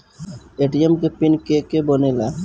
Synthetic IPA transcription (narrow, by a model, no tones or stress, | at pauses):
eʈiemkepinkekebənela